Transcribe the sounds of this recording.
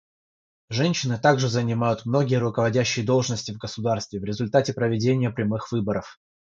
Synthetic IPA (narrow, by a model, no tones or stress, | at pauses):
ʐɛnʲɕːɪnɨt̪aɡʐɨzənʲɪmajʊt̪mno̞ɡʲɪjəɾʊkəvɐdʲæɕːɪjəd̪o̞lˠʐnəsʲtʲɪvɡəsʊd̪arst̪vʲɪvɾʲɪzʊlʲt̪atʲɪpɾəvʲɪdʲenʲɪjəpɾʲɪmɨxv̥ɨbəɾəf